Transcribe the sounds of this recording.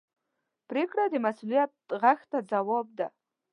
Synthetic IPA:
prikrad̪imasulijat̚ʁaxʲtʰad͡zawob̚da

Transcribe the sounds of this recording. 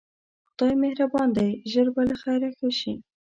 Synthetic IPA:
xt̪ɑjmehɾabɑnd̪ajʒəɾbalaxajɾaxaʃi

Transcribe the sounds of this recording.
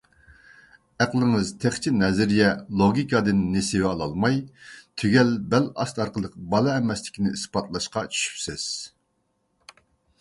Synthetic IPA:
æqlˠɨŋɨzt̪ʰeχt͡ʃʰinɛzɪɾjɛlˠoɡʲikʰɑd̪ɨnːesɪwɑlˠɑlˠmɑjt̪ʰyɡʲɛlbɛlɑst̪ɑɾqəlˠəq̚bɑlˠɑɛmɛslɪ̥kʲʰinɪispɑt̪ʰlˠɑʃqɑt͡ʃʰy̥ʃy̥psɪz̥

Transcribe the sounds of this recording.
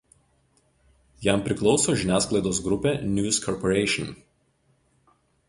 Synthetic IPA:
jæmpʲɾʲɪklˠɒʊsoːʒʲɪnʲæːsklˠɐɪd̪oːs̬ɡɾʊpʲeːnʲjuːskʰɔɾpɔɾʲɛɪʃʲɪn

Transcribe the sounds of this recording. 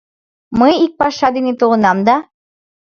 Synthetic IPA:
mɤjik̚pɑʃɑd̪enet̪ulɤ̆nɑmd̪ɑ

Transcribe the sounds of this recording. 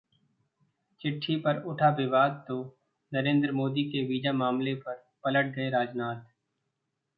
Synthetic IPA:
t͡ʃɪʈʰːipɐɾʊʈʰaʋɪbaːd̪̚t̪o | nɐɾẽːnd̪ɾəmoːd̪ikeʋiːd͡ʒamaːmlepɐɾ | pɐləʈ̚d̪eeɾaːd͡ʒnaːt̪

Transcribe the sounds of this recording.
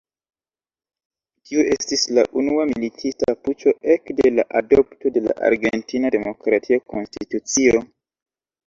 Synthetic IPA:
tʰiue̞stisla̰ʔunuamilitʰistaput͡ʃo̞ʔe̞kde̞laʔado̞pto̞de̞la̰ʔa̰ɾɡe̞ntinade̞mo̞kɾatʰiako̞nstitut͡sio̞

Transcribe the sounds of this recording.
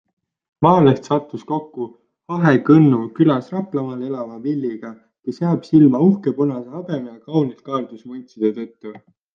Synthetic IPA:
mɑːlest̪sɑt̪ːusko̞kːu | hɑɦekɤnːukylɑsrɑplɑmɑle̞lɑvɑvilːiɡ̥ɑ | kesjɑːb̥silmɑuhke̞ponɑseɑbe̞mjɑkɑwnit̪̚kɑːld̪̥usmunʲt̪sid̪̥et̪ɤt̪ˑːu

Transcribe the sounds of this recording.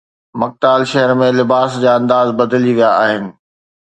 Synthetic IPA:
mɐk̚t̪aːlʃɐɦəɾmẽlɪbaːsd͡ʑaːɐ̃nd̪aːzbɐd̪liʋijaaːɦɪnɪ̆

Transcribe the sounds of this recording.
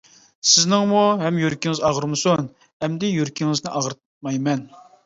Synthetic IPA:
sɪznɪŋmuɦɛmjøɾkʲiŋɪzɑʁəɾmɨsun | ɛmd̪ɪjøɾkʲʰiŋɪznɪʔɑʁɾt̪ | mɑjmɛn

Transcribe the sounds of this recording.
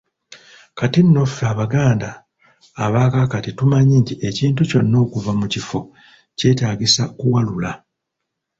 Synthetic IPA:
katinːofaβaɡaːndaː | βaːkakatitumaɲiːntieciːntuco̞nːo̞ːkuvamucifo̞ | ce̞ːtaːɟisakuwalula

